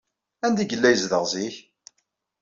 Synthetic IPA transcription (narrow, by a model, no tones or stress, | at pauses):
ænd̪iɡəlːæjəzðəʁziç